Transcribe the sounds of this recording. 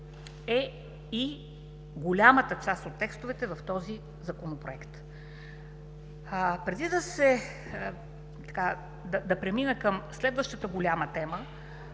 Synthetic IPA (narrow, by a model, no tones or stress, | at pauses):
ɛ | i | ɡolʲamət̪ət͡ʃast̪ot̪ːɛkst̪ʊvɛt̪ɛvɐft̪ɔzi | zɐkonopɾoɛkt̪ | pɾɛd̪id̪ɐsɛ | t̪ɐ̥ka | d̪ɐd̪ɐpɾɛminɛkəmslɛd̪vəʃt̪ət̪əɡolʲamət̪ɛmə